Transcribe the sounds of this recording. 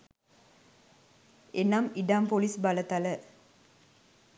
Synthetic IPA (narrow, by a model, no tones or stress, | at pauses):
enamiɖampolisbɐlət̪ɐlə